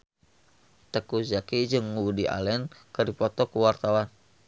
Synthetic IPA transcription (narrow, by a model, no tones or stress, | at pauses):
t̪əkud͡ʒakid͡ʒɨŋːudia̰lɛnkərdipɔt̪ɔkuwart̪awan